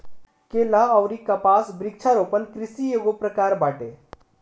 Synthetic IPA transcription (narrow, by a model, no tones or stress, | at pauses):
kelaəwɾikɐpasbɾik̚t͡ʃʰaɾopənkɾisieɡopɾəkaɾbaʈe